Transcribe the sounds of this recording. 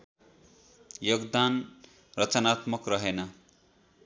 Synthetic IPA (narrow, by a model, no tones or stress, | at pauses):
joɡd̪an | rʌt͡sʌnat̪mʌkrʌɦenʌ